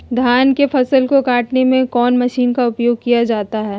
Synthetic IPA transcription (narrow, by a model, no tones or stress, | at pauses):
d̪ʱjaːnkefɐsəlkokaːʈnemẽkɔːnmɐʃiːnkaʊpjoːɡ̚kijad͡ʒaːt̪aɦɛː